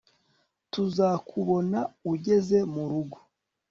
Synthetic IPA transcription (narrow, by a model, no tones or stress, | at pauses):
tuzakʰuβo̞nauɟe̞ze̞muɾuɡo̥